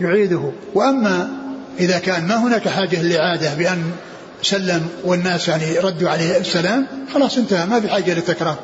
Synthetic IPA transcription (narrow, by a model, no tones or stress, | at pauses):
jʊʕiːd̪ʊɦ | wɪʔamːa | ʔɪðakaːnmaɦʊnaːkħaːd͡ʒːalɪlʔɪʕaːd̪abɪʔanː | salːɪmwɪnːaːsjaʕniɾˤɑd̪ːuʕaleːhasːalaːmxɑlɑːsˤʔɪnt̪ahamafiħaːd͡ʒːalɪt̪ːakɾˤɑːɾˤ